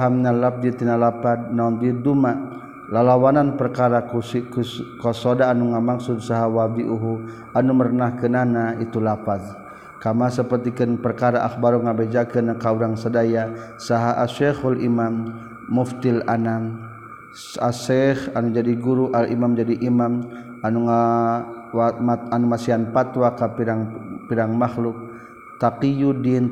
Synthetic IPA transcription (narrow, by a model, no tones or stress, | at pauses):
ɦamnalap̚dit̪inalapat̪̚namdid̪umaʔ | lalawananpərkaɾakkkɔsodaːnuŋamaksud̚saɦawabiʔuɦu | anumərnahkənanait̪ulapat̪ | kamasəpərt̪ikənpərkaɾaʔaxbaɾuŋabed͡ʒakənakauɾaŋsadaja | saɦaʔaʃɛxalʔimamː | uft̪ɪlanam | asɛxanud͡ʒadiɡuɾuʔalḭmamd͡ʒadiʔimam | anuŋa | maanumasianpat̪wakapiɾaŋpiɾaŋmaxlʊk̚ | t̪aqijudin